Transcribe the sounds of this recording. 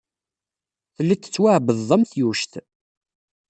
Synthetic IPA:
θəlːit͡s̪ːə̥t͡sːwaʕbəððˤəmθjuʃθ

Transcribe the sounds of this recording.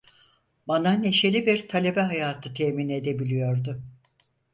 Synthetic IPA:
banane̞ʃe̞lʲibiɾt̪ʰalʲe̞bɛɦajaːt̪ʰɯt̪ʰeːmined̪e̞bilʲijo̞ɾd̪ʊ

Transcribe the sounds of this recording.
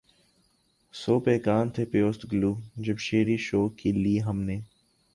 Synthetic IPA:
soːpeːkaːnt̪ʰepjoːst̪ɡluːd͡ʒɐbʃeːɾiʃoːkiliːɦɐmneː

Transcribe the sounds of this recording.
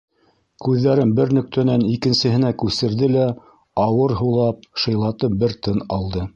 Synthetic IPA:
kʉðːæɾɘnbɘɾnɵ̆k̚t̪ʰænænikɘ̆nsɘ̆hɘ̆nækʉsɘ̆ɾðɘlæ | ɑwɤɾɦɤ̆lˠɑp̚ʃɤ̆jlˠɑt̪ɤp̚bɘɾt̪ɤnɑlˠd̪ɤ

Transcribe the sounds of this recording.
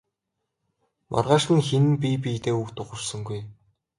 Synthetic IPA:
mʔa̰rʁaːʃχɘ̆ŋxenpʲip̬ʲijt̪eːukt̪ʊχʊ̆rsə̆ŋɡuj

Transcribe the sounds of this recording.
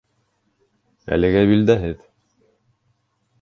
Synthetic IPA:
æ̰lɘ̆ɡæβild̪æɦɘð

